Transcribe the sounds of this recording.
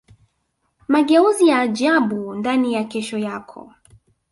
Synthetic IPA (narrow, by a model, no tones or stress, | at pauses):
maɠɛuzijaːʄaɓundanijakɛʃɔjakʰɔ̰